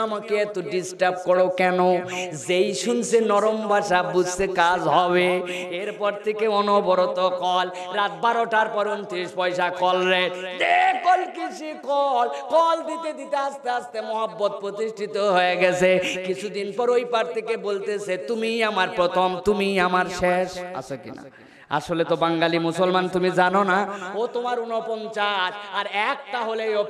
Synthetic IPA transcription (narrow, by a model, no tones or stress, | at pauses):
amakeet̪oɖisʈaɾb̚kɔɽokɛnozejʃunsʰenɔɾombʱaʃabud͡ʑsekad͡ʑɦɔβeeɾpɔɾt̪ʰekeɔnobɔɾot̪okɔl | ɾat̪̚baɾoʈaɾpɔɾont̪ʰiʃpɔjʃakɔlɾed͡ʑekɔlkit͡ɕʰikɔlkɔld̪it̪ed̪it̪east̪east̪emɔɦabːot̪̚pɾot̪iʃʈʰit̪oɦoeɡɛt͡ɕʰekit͡ɕʰud̪inpɔɾojpaɾt̪ʰekebolt̪esʰet̪umiamaɾpɾɔt̪ʰomt̪umiamaɾʃeʃa̰sʰokḭna̰ | a̰ʃolet̪obaŋɡalimusolmant̪umid͡ʑanonaot̪omaɾunopɔnt͡ɕaʃaɾɛk̚ʈ̪aɦoleo